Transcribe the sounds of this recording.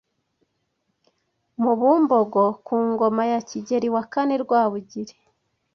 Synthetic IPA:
muβumbo̞ɡo̞kuːŋɡo̞majaciɟe̞ɾiwakane̞ɾɡwaːβuɟiɾe

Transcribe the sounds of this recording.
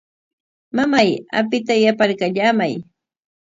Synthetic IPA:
mamaja̰pɪt̪ajapaɾkaʎamaj

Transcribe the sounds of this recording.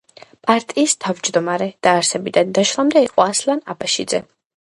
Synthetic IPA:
pʼaɾt̪ʼiːst̪ʰavd͡ʒd̪ɔmaɾɛd̪̥aːɾsɛbid̪and̪aʃlˠamd̪ɛiqʼɔaslanabaʃid̪zɛ

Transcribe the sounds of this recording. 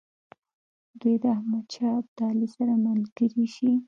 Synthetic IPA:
d̪ujd̪əahmad̪̚t͡ʃɑb̚d̪ɑlisaɾaməlɡ̥əɾiʃi

